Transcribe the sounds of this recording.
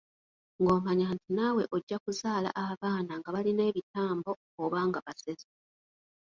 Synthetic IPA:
ŋɡo̞ːmaɲaːntinawe̞ʔo̞ɟːakuzaːla̰ʔahaβaːnaŋɡaβaline̞ːβitaːmbo̞ | oβaːŋɡaβasezo

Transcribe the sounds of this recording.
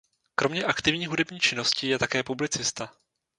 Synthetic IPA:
kɾo̞mɲɛʔakt̪ɪvɲiːɦudɛbɲiːt͡ʃɪno̞scɪjɛt̪akɛːpublɪt͡sɪst̪a

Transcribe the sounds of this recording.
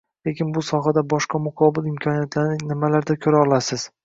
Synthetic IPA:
le̞kʲɪnbʊsɒɦad̪abɒʃqɑmʊqʰɒbɪlɪmkʲʰɒnijat̪ʰlaɾnɪnɪmalaɾd̪akʲʰɵɾaɒlˠasɪz̥

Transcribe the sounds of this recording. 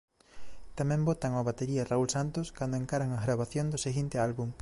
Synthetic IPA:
t̪amɛ̃mbot̪aŋoβat̪eɾiɐraulsant̪oskand̪oeŋkaɾaŋɐɣɾaβaθjond̪oseɣint̪ealβuŋ

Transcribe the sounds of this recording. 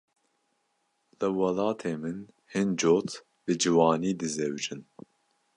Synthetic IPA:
lɨwɑlɑːt̪ʰeːmɨn | hɨnd͡ʒoːt̪ | b̥ɨd͡ʒɨwɑːniːd̪ɨzɛwd͡ʒɨn

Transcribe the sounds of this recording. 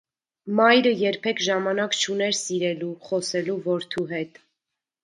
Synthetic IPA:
mɑjɾəjɛɾpʰɛkʰʒɑmɑnɑkt͡ʃʰunɛɾsiɾɛluχɔsɛluvɔɾt̪ʰuɦɛt̪

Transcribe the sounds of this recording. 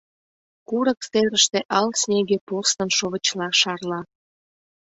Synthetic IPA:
kuɾəkseɾəʃt̪eʔɑlsnʲeɡepost̪ənʃoβə̆t͡ɕlɑʃɑrlɑ

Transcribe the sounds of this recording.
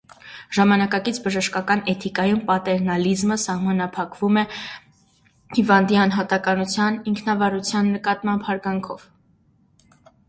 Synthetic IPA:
ʒ̥ɑmɑnɑkɑkit͡sʰbəʒəʃkɑkɑnɛt̪ʰikɑjumpɑt̪ɛɾnɑlizməsɑhmɑnɑpʰɑkvumɛ | hivɑnd̪iɑnɦɑt̪ɑkɑnut͡sʰjɑniŋkʰnɑvɑɾut͡sʰjɑnːəkɑt̪mɑmbhɑɾɡɑŋkʰɔv

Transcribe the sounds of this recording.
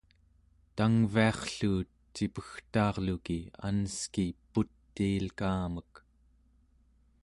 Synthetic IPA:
t̪aŋviɑχɬuːt̪ | t͡ʃipəxt̪ɑːʁlukia̰nəskiput̪ːiːlkaːmək

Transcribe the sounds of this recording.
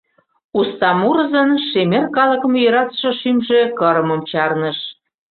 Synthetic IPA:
ust̪ɑmuɾə̆zənʃemerkɑlə̆kə̆mjɤɾɑt̪ə̥ʃɤ̆ʃymʒe̽kə̆ɾə̆mə̆mt͡ɕɑrnəʃ

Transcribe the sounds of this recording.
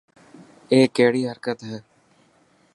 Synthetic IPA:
eːkeːɽiːɦəɾkət̪ɦɛː

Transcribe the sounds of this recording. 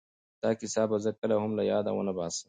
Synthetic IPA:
t̪aːkisaːbɐzɐkɐlɐɦʊmlɐjaːd̪ɐ̰wɐ̰nɐbaːsɐ̥

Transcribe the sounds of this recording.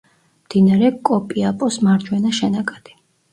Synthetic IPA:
md̪̥inaɾɛkʼɔpʼiapʼɔsmaɾd͡ʒwɛnaʃɛnakʼad̪̥i̥

